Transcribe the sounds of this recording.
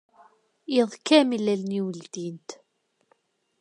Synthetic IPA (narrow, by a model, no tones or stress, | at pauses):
jiðˤkːæmilælniwəld̪int̪